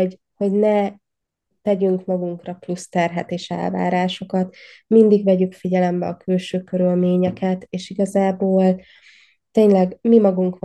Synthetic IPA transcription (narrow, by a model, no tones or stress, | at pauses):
ho̞ɟnɛ | t̪ɛɟyŋkmɒɡuŋkrɒplust̪ɛrɦɛt̪eːʃɛ̰lva̰ːɾaːʃo̞kɒt̪mind̪iɡvɛɟykfiɟɛlɛmbɛ̰ɒkylʃøːkøɾylmeːɲɛkɛt̪eːʃiɡɒzaːboːl | t̪eːɲlɛɡmimɒɡuŋkʋ